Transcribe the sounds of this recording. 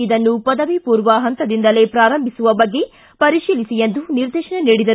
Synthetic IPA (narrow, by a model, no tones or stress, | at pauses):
id̪ɐnːupɐd̪ɐʋipuːɾʋɐɦɐnt̪ɐd̪ind̪ɐle̞pɾaːɾɐmbʱisuʋɐbɐɡːe̞ | pɐɾiʃiːlisijend̪uniɾd̪eːʃɐɳeniːɽid̪ɐɾu